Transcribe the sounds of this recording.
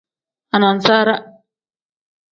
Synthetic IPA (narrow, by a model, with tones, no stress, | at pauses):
a˨na˨n˨sa˦ɾa˦